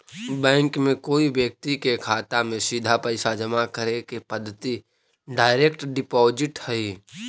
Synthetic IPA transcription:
bɛ̃ːŋkmẽkoːibjək̚t̪ikekʰaːt̪amẽsid̪ʱapəɪsad͡ʒəmakəɾekepəd̪ʱːət̪i | ɖaːɪɾeːkʈɖɪpɔːd͡ʒɪʈhɛiː

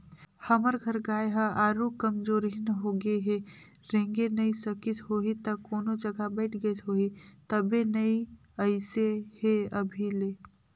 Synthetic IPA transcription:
hɐməɾɡʱəɾɡaːjeɦəaːɾukəmd͡ʒoːɾɦɪnɦoɡeɦe | ɾẽːŋɡenɐisəkɪsɦoːɦit̪ɐkoːnod͡ʒəɡabɛɪʈʰɡəsɦoːɦit̪ɐbenɐi | əɪseheɐbʱileː

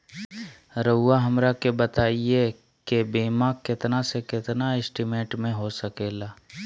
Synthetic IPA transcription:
ɾəʊːaɦɐmɾakebɐt̪aːie | kebeːmakɪt̪nasekɪt̪naɪsʈimẽːʈmẽɦosɐkeːlaː

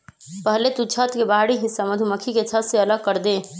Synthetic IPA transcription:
pəɦlet̪ut͡ʃʰət̪kebaɦɽiɦɪsːaməd̪ʱuməkʰiket͡ʃʰət̪seələɡ̚kəɾd̪e

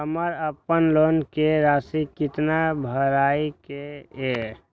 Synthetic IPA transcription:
ɦəməɾəpənlonkeɾasikit̪nabʱəɾaikee

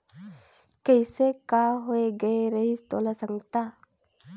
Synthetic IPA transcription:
kəɪsekaːɦoeɡɐeɾɐɦit̪oːlasə̃ŋɡt̪aː

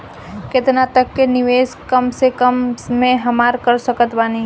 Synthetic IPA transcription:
kɪt̪nat̪əkːenɪʋeːskəmsekəmːẽɦəmaːɾkəɾsəkət̪bani

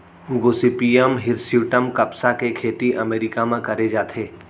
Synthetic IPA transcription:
ɡoːsipijəmɦɪɾsjuːʈəmkɐpsakekʰeːt̪iʔɐmeːɾɪkamẽkɐɾed͡ʒaːt̪ʰeː

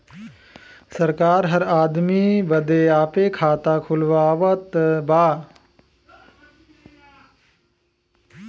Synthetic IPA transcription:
səɾkaːɾɦəɾaːd̪mibəd̪eaːpeːkʰaːt̪aːkʰʊlʋaːʋət̪baː

